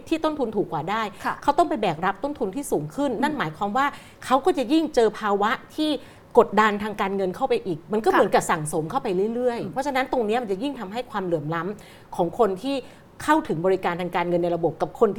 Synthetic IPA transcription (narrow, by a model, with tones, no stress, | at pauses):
t̪ʰiː˥˩t̪o˥˩nt̪ʰu˧nt̪ʰuː˨˩kːwaː˨˩daː˥˩jʰkʰa˦˥wt̪ɔ˥˩ŋpa˧jbɛː˨˩k̚ɾa˦˥p̚t̪o˥˩nt̪ʰu˧nt̪ʰiː˥˩suː˩˦ŋkʰɯ˥˩nːa˥˩nmaː˩˦jkʰwaː˧mwaː˥˩ | kʰa˦˥wkɔː˥˩t͡ɕa˨˩ji˥˩ŋt͡ɕɤː˧pʰaː˧wa˦˥t̪ʰiː˥˩ | ko˨˩t̪̚da˧nt̪ʰaː˧ŋkaː˧nŋɤ˧nkʰa˥˩wpa˧jʔiː˨˩k̚ma˧nk̬ɔː˥˩mɯ˩˦nka˨˩sa˨˩ŋso˩˦mkʰa˥˩wpa˧jɾɯ˥˩jɾɯ˥˩əjpʰɔ˦˥t͡ɕʰa˧na˦˥nt̪o˧ŋni˦˥ɐma˧nt͡ɕa˨˩ji˥˩ŋt̪ʰa˧mɦa˥˩jkʰwaː˧mlɯ˨˩əmla˦˥m | kʰɔː˩˦ŋkʰo˧nt̪ʰiː˥˩ | kʰa˥˩wt̪ʰɯ˩˦ŋbɔː˧ɾi˦˥kaː˧nt̪ʰaː˧ŋkaː˧nŋɤ˧nːa˧jɾa˧bo˨˩p̚ka˨˩p̚kʰo˧nt̪ʰː